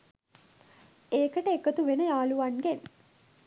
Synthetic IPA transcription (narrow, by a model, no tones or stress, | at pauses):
eːkəʈəekət̪uʋenəjaːluʋanɡen